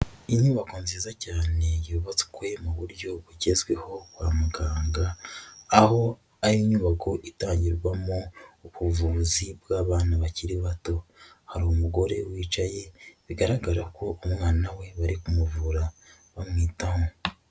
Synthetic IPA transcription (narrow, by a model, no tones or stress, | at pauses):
iɲuːβakonziːzacaːne̞joβat͡si̥kwemaβuɾɟo̞βuɟe̞zɡwe̞ho̞waːmuɡaːŋɡaː | ho̞ | aɾiɲuːβako̞ʔitaːɲɟiɾɡwamouβuvuːzibwaːβaːnaβaciɾiβato̞haɾumuɡo̞ɾe̞̰wiːt͡ʃaje̞βiɡaɾaɡaɾako̞ːmŋaːnawe̞βaɾikumuvuɾa | βamŋiːtaho